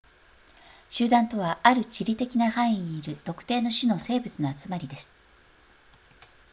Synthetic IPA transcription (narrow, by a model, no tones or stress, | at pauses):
ɕɨːd̪ãnt̪o̞β̞aaɾɯ̟t͡ɕiɾʲit̪e̞kʲinahãɰ̃ĩɲiːɾɯ̟t̪o̞kɯ̥t̪e̞ːno̞ɕino̞se̞ːbɯ̟t͡sɨnoat͡sɨmaɾʲid̪e̞sɨ̥